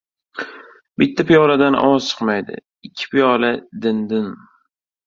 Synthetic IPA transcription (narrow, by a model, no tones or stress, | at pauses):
bɪt̪ʰːapɪjɒlad̪anʔɒ̰wɒz̥t͡ʃʰɨ̥qmajd̪ɪ̰ | ɪkʲʰːɪ̥pʰijɒlad̪ɪnd̪ɪn